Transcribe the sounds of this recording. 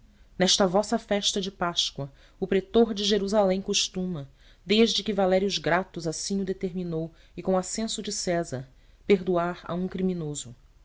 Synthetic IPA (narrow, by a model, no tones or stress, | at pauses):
nɛʃt̪ɐvɔsɐfɛʃt̪ɐd͡ʒɪpaʃkwɐ | ʊpɾet̪oɾd͡ʒɪʒeɾuzalẽj̃koʃt̪ũmɐ | d̪eʒd͡ʒɪkɪvalɛɾiʊʒɡɾat̪ʊzasĩʊd̪et̪eɾminow | ɪkõasẽsʊd͡ʒɪsɛzɐɾ | peɾd̪uaɾɐ̰ũkɾiminozʊ